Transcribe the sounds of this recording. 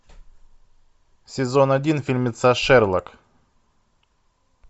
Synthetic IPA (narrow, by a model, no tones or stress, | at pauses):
sʲɪzo̞nɐdʲinfʲilʲmʲɪt̪saʂɛrlˠək